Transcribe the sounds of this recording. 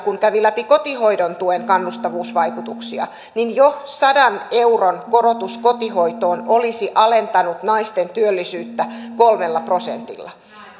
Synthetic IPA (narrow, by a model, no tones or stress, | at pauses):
kuŋkæʋilæpiko̞t̪iho̞idont̪ueŋkɑnːust̪ɑʋuːsʋɑikut̪uksiɑ̰ | ninjosɑdɑne̞uronko̞ɾot̪uskot̪ihoit̪oːnolisiʔɑle̞nt̪ɑnut̪nɑist̪ent̪yølːisyːt̪ːæko̞lmelːɑpro̞sḛnt̪ḭlːɑ̰